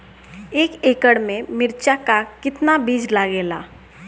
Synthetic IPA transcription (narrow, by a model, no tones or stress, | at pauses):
eːkeːkəɽmẽmɪɾt͡ʃakakɪt̪nabiːd͡ʒlaɡeːlaː